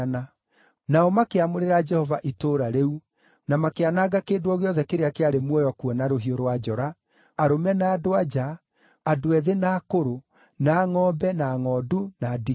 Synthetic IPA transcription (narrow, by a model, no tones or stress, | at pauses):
na | naɔmakeamoɾeɾad͡ʒɛhɔvaʔitoɾaɾeu | namakeanaɣakeːndoɔɣeɔðɛkeɾeakeaɾemwɔjɔkuɔnaɾoɦioɾwad͡ʒɔɾaː | ɾomɛnaːdoad͡ʒaː | doɛðenaːkoɾo | naːŋɔːbɛnaːŋɔdunadi